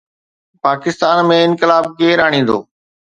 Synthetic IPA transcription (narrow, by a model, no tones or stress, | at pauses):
paːkɪst̪aːnmẽɪnkɪlaːb̚keːɾaːɽ̃ĩːn̆d̪o̰ː